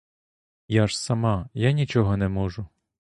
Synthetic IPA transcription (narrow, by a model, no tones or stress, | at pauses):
jaʃsɐmɑjanʲit͡ʃɔɦɔnɛmɔʒʊ